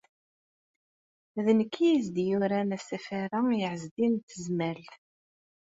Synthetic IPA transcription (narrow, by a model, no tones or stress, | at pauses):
ðnəkːijizd̪juɾænæsæfaɾajəʕəzd̪int̪ːəzmæl